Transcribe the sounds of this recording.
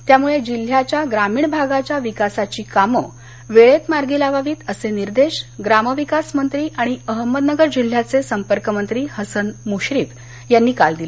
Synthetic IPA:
t̪jamuɭed͡ʑil̤ːjat͡ɕjaɡɾamiːɳbʱaɡat͡ɕjaʋikasat͡ɕiːkamə | ʋeɭet̪maɾɡilaʋaʋiːt̪əseniɾd̪eɕɡɾaməʋikasmənt̪ɾiːʔaɽ̃iəɦəmːəd̪nəɡəɾd͡ʑil̤ːjat͡sesəmpəɾkəmənt̪ɾiːhəsənmuɕɾiːt̪ | janːiːkald̪ile

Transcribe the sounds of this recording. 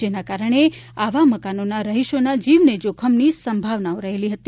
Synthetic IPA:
enakaɾəɳ̃e | aʋaməkanonaɾəɦiʃonad͡ʒiʋned͡ʒokʰəmnisəmbʱaʋnaoɾəɦeliɦət̪i

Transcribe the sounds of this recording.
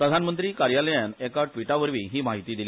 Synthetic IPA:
pɾəd̪ʱanmənt̪ɾiːkaɾjaləjanɛkaʈʋiʈaʋəɾʋiːɦiːmaɦit̪iːd̪ili

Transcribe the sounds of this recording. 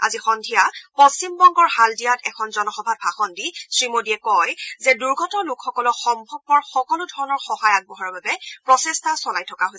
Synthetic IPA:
a̰zixɔndʱijapɔst͡ɕimbɔŋɡɔɹɦaldijatɛkʰɔnzɔnɔxɔbʱat̚bʱaxɔndisɹimodiɛkɔjzɛduɹɡʱɔtɔlukxɔkɔlɔxɔmbʱɔb̚pɔɹxɔkɔludʱɔɹɔnɔɹxɔhajak̚bɔɦɔɹbabɛpɹɔsɛstasɔlajtʰɔkaɦo

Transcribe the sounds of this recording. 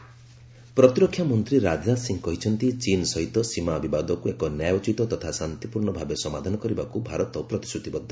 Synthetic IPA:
pɾɔt̪iɾɔkʰːjamɔnt̪ɾiɾad͡ʒasiŋkɔɦit͡ʃʰɔnt̪it͡ʃinsɔɦit̪ɔsimabibad̪ɔkuekɔnjajɔt͡ʃit̪ɔt̪ɔt̪ʰasant̪ipuɾɳɔbʱabesɔmad̪ʱanɔkɔɾibakubʱaɾɔt̪ɔpɾɔt̪i̥sut̪ibɔd̪ʱːa

